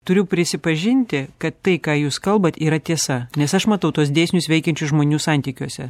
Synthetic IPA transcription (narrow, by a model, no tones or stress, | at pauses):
t̪ʊɾʲʊpʲɾʲɪsʲɪpɐʒʲɪnʲt̪ʲɪkɐt̪ːɐɪkɑːjuːskɐlˠbɐt̪iːɾɐt̪ʲiɛsɐnʲɛsɐʃmɐt̪ɐʊt̪uɔs̬d̪ʲeːsʲnʲʊsʋʲɛɪkʲɛnʲt͡ʃʲʊsʒmoːnʲuːsɑˑnʲt̪ʲiːkʲuɔsʲɛ